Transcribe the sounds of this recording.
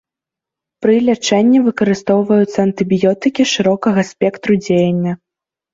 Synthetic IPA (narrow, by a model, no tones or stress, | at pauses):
pɾɨlʲat͡ʂɛnʲːɛvɨkɐɾɨst̪ɔwvɐjut̪sːɐɐnt̪ɨbʲijɔt̪ɨkʲiʂɨɾɔkɐɣɐsʲpʲɛkt̪ɾud͡zʲejɐnʲːɐ